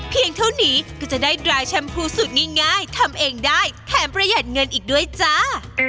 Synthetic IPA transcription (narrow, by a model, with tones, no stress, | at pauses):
pʰi˧əŋt̪ʰa˥˩wniː˦˥kaː˧˩t͡ɕa˨˩daː˥˩ɾaː˧jt͡ɕʰa˥˩mpʰuː˥˩su˨˩t̪̚ŋaː˥˩jŋaː˥˩jt̪ʰa˧mʔeː˧ŋdaː˥˩jt̪ʰɛː˩˦mpɾa˧jaː˨˩t̪̚ŋɤ˧nʔiː˨˩k̚du˥˩əjt͡ɕa˥˩